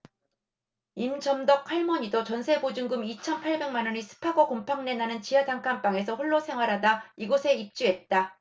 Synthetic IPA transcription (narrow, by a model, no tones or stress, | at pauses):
imd͡ʑʌmdʌkʰaɭmʌɲidot͡ɕʌnsʰe̞bod͡ʑuŋɡɯmit͡ɕʰʌnpʰaɭbe̞ŋmanʌɲisʰɯ̥pʰaɡʌkompʰaŋne̞nanɯnt͡ɕijataŋkʰamp͈aŋe̞sʰʌɸuɭːosʰe̞ŋɦwaɾɦadaiɡosʰe̞ip̚t͡ɕ͈uɦe̞t̚t͈a